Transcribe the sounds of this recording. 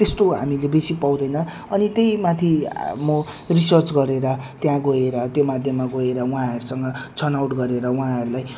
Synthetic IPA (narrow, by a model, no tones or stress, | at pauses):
t̪est̪oɦa̰milebesipaw̃d̪ʌjnʌ | ʌnit̪ejmat̪ʰimo | risʌrt͡sɡʌɾeɾʌt̪jãɡoeɾʌt̪jomad̪ʱjemaɡoeɾʌũɦãɦʌɾusʌŋɡʌt͡sʰʌnawʈɡʌɾeɾʌũɦãɦʌɾulaj